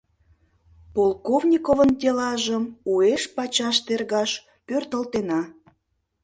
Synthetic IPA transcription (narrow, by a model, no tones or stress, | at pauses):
polˠkovnʲikovənt̪ʲelɑʒəmueʃpɑt͡ɕɑʃt̪erɣɑʃ | pørt̪əlt̪enɑ